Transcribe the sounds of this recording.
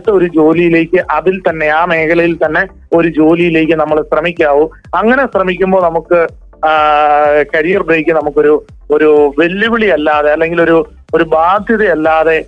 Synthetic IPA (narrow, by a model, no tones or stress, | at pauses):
t̪ːɐo̞ɾud͡ʑo̞ːlijile̞ːkʲːɨʔɐðilt̪ɐnːe̞aːme̞ːkʰɐlɐjilt̪ɐnːe̞ | o̞ɾud͡ʑo̞ːlijile̞ːk̬ʲːɨnɐmːɐɭɕrɐmikʲːaːʋu | ɐŋːɐne̞ɕrɐmikʲːumbo̞ːnɐmukːɨ | kɐɻijɐrbreːkʲːɨnɐmukːo̞ɾu | o̞ɾuʋe̞ɭːuʋiɭijɐlːaːðe̞ɐlːe̞ŋɡilo̞ɾu | oɾubaːd̪ʱjɐðɐjɐlːaːðe̞